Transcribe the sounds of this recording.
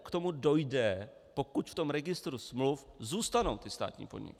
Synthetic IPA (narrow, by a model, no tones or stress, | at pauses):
kt̪o̞mudo̞jdɛ | pokucft̪o̞mɾɛɡɪst̪ɾusmluf | zuːst̪ano̞wt̪ɪst̪a̰ːt̪ɲḭːpodɲɪ̰kɪ̥